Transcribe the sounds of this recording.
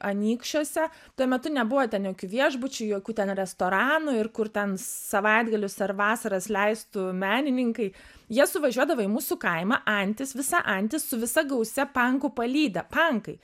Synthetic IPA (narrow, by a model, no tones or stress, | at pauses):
ɐnʲiːkʃʲoɔsʲɛ | t̪uɔmʲɛt̪ʊnʲɛbʊʋɐt̪ʲɛnjoːkʲuːʋʲiɛʒbʊt͡ʃʲʊjoːkʲuːt̪ʲɛnɾʲɛst̪oːɾɑːnʊɪrkʊrt̪ʲɛnsɐʋɐɪd̪ɡɐlʲʊsɐrʋɑːsɐɾɐslʲɛɪst̪ʊmʲæːnʲɪnʲɪŋkɐɪ | jiɛsʊʋɐʒʲuɔd̪ɐʋɐɪimuːsʊkɐɪmɐʔɐnʲt̪ʲɪsʋʲɪsɐ̰ʔɐnʲt̪ʲɪssʊʋʲɪsɐɡɐʊsʲɛpɐŋkʊpɐlʲiːd̪ɐpɐŋkɐɪ